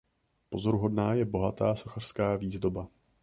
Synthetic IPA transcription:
po̞zo̞ɾuɦo̞dnaːjɛbo̞ɦat̪aːso̞xar̝̥skaːviːzdo̞ba

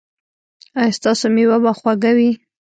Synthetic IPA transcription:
ɑjst̪ɑsomewabaxwaɡawi

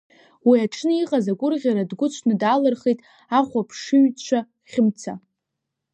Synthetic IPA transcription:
wiaʈ͡ʂʰnɨiqʼazaɡʷʊrʁʲaɾadɡʷʊt͡ɕʷʰnɨdaːlɨrχejtʼ | aχʷapʰʂɨɥt͡ɕʷʰa | χʲɪmt͡sʰa̰

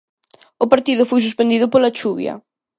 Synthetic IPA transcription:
ʊpaɾt̪iðʊfojs̬uspend̪iðʊpolat͡ʃuβj̰ɐ̰

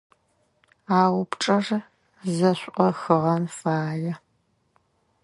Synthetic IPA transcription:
aːwʊpʈ͡ʂʼɐr | zɐɕʷʼʔɔxɨʁɐnfaːjɛ

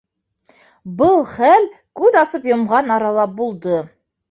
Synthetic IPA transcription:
bɤlˠχæl | kʉðɑsɤpjŏmʁɑnɑɾɑlˠɑp̚bulˠd̪ɤ

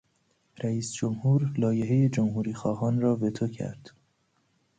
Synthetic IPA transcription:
ɾæiːsd͡ʒomhuːɾlɒːje̞ɦe̞je̞d͡ʒomɦuːɾiːxɒːɦɒːnɾɒːbe̞t̪ʰocʰæ̰ɾd̪̥

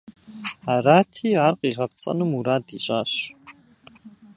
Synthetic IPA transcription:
aɾaːtʰiːaːrqʼiːʁɐpt͡sʼɐ̰nɨmuɾaːdiɕʼaːɕ

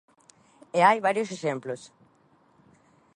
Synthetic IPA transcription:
eajβaɾjoseʃemplos

